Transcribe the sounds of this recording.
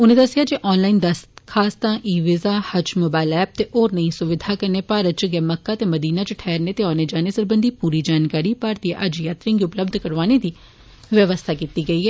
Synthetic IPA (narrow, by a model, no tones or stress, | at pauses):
ʊnẽːd̪əsɪjaːd͡ʒeːʔɔːnlaːind̪əst̪kʰaːst̪ãːʔiːʋɪzaːhət͡ʃmʊbaːɪlɛːb̚t̪eːʔoːɾnəĩsʊʋɪd̪ʱaːkəneːpaːɾət̪̚t͡ʃɡɛːməkːaːt̪eːməd̪iːnaːt͡ʃʈʰɛːɾneːt̪eːɔːneːd͡ʒaːneːsəɾbənd̪ʱiːpuːɾiːd͡ʒaːnkaːɾiːpaːɾt̪iːʔəd͡ʒjaːt̪ɾɪ̃ŋɡiʊpləbd̪ʱkəɾʋaːned̪iː | ʋjəʋəst̪ʰaːkiːt̪iːɡəiːɛː